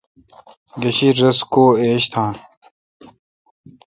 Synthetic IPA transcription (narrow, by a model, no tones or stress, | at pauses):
ɡɐɕiɾɐskoːeːɕt̪ʰãːn